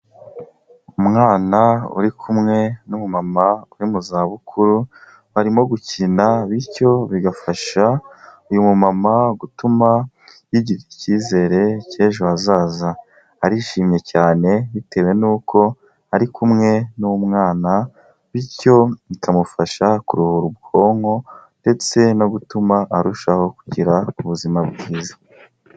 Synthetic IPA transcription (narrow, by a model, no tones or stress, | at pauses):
umŋaːnaṵɾikʰumŋe̞numumamauɾimuzaːβukʰuɾu | βaɾimo̞ɡucinaβiɾco̞βiɡafaʃaujumumamaɡutuma | βiɟiɾiciːze̞ːɾe̞ceːʒoazaːza | haɾiʃiːmje̞caːne̞βite̞ːwe̞nuːko̞ | aɾikʰumŋe̞numŋaːna | βiɾco̞βikʰamufaʃakuɾuhuɾubɡo̞ːŋho̞nde̞t͡se̞no̞ɡutumaʔaɾuʃaho̞kuɟiɾauβuzimabɡiːzḁ